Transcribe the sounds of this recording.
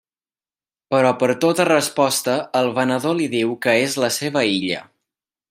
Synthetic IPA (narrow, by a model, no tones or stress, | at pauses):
pəɾɔpəɾt̪ot̪ərəspɔst̪əəlˠβənəðoliðiwkəezləseβ̞əiʎə̰